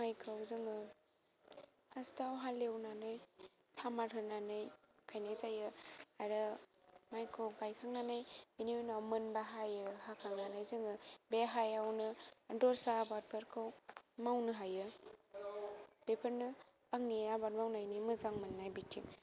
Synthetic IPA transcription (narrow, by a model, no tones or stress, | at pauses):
majkʰɯwzɯŋɯ | astawɦalːewnanɯj | tʰamaɾɦʰɯnanɯjkʰajnazajɯaɾɯmajkʰawɡajkʰaŋnanajbenienawmɯnbaɦajɯhakʰaŋnanajzɯŋɯbeɦajawnɯdɔɾsabaɾ̚pʰəɾkʰɯwmawnɯɦajɯ | b̥epʰəɾnɯː | ŋniabaɾmawnajnimɯzaŋmɯnːajbitʰim